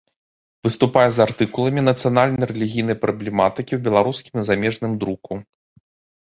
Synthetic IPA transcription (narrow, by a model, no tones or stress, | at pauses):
vɨst̪upajɛzart̪ɨkulˠɐmʲinɐt̪sɨjanalʲnɐjɾɛlʲiɣʲijn̪ɐjpɾɐblʲɛmat̪ɨkʲiwbʲɛlˠaɾuskʲimizamʲɛʐnɨmd̪ɾuku